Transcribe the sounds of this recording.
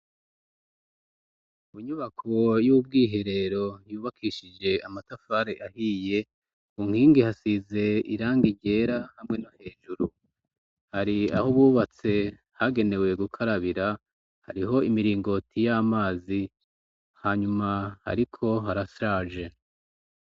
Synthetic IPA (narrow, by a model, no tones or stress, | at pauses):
uɲuβakʰo̞jub̚ɡiːɦe̞ɾe̞ɾo̞juːβakʰiʃid͡ʒe̞amatafaːɾeʔahiːje̞ | uŋ̥hiːŋɡihasize̞iɾaːŋɡiɟe̞ːɾahamŋe̞nohe̞ːʒuɾu | haɾia̰hoβuːβat͡se̞ | haɡe̞ne̞we̞ɡukʰaɾaβiɾa | ha̰ɾiɦo̞imiɾiːŋɡo̞tʰijamaːzi | haɲumaha̰ɾikʰo̞ɦaɾasɾaːʒe̞